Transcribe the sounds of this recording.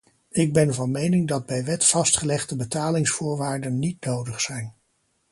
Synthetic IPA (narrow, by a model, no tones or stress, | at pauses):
ɪɡ̚bɛnvɑnmejnɪŋdɑd̚bɛjʋɛtfɑstχəlɛχdəbətaːlɪŋsfʊːɹʋaːɹdənːitnowdəχsɛjn